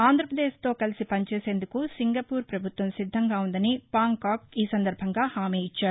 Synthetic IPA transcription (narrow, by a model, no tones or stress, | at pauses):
aːnd̪ʱɾɐpɾɐd̪eːʃt̪o̞ːkɐlisipɐɲt͡ʃeːse̞ːnd̪ukusiŋɡɐpuːɾpɾɐbʱut̪ʋɐmsid̪ʱːɐŋɡaːund̪ɐnipaːŋkaːkiːsɐnd̪ɐɾbʱɐŋɡaːhaːmeːjit͡ʃːaːɾu